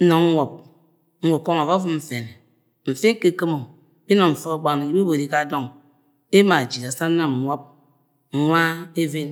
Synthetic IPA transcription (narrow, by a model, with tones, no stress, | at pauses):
n̩˦no˨ŋ̩˦wʷo˨p̚ | ŋ̩˦wo˨ko˦ŋa˨va˦fu˦m̩˨fe˨ne˨ | m̩˨fe˦ŋ˦ke˦˨ke˦mo˨ | bi˦no˨ɱ̩˨fo˦˨˦ɡ͡ba˨n˨i˨˦be˦bo˨ɾi˨ka˦˨do˦˨ŋ | e˦ma˨d͡ʒi˨da˨sa˦na˨m˨wʷɔ˦p̩̚˨ | ŋʷa˦e˦ve˦n